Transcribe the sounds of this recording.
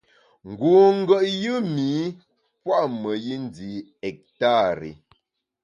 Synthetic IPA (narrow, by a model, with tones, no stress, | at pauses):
ŋ̩˨ɡu˨ŋ̩˦ɡə˨ʔjɨ˦miː˨˦ | pwa˦ʔmə˨ji˦n˦di˨ɛ˨k̚ta˦˨ɾḭ˨